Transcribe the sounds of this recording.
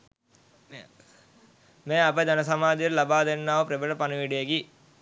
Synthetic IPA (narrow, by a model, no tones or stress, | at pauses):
meːapəd̪anəs̬amaːd̪iɾlabaːd̪enːaːʋəpɾebəʈəpanəʋiɖejeɡi